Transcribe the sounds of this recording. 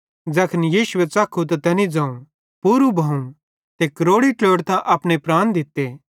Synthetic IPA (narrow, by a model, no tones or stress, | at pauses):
d͡zɐkʰənjiːsʊʋet͡saːkʰːut̪at̪ɐnid͡zãːũ | puːɾubʱɐːũ | t̪ekɾoːɽiʈloːɽt̪ãʔɐːpñepɾaːñd̪ɪt̪ːeː